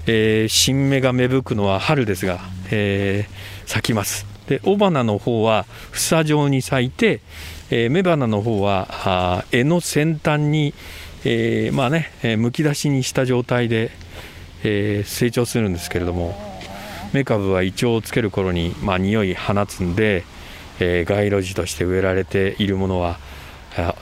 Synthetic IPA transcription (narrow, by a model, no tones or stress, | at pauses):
eːɕĩmːe̞ɡame̞bɯ̟kɯ̟no̞β̞ahaɾɯ̟d̪e̞sɨɡaeː | sakʲimasɨ̥d̪̥e̞ʔo̞banano̞ho̞ːβa | ɸɯ̟̥saʑo̞ːɲ̟isait̪e̞ | me̞banano̞ɦo̞ːβa | e̞no̞sẽ̞nt̪ãɲ̟ːiemaːne̞mɯ̟kʲid̪aɕiɲ̟iɕi̥t̪aʑo̞ːt̪aid̪e̞ | se̞ːt͡ɕo̞ːsɨɾɯ̟̃nd̪e̞sɨ̥ke̞ɾe̞d̪o̞mo̞ | me̞kaβɯ̟β̞ait͡ɕio̞ːt͡sɨ̥ke̞ɾɯ̟ko̞ɾo̞ɲ̟imaɲ̟ijo̞ihanat͡sɨ̃nd̪e̞ | ɡaiɾo̞ʑit̪o̞ɕi̥t̪e̞ɯ̟e̞ɾaɾe̞t̪e̞iɾɯ̟mo̞no̞β̞a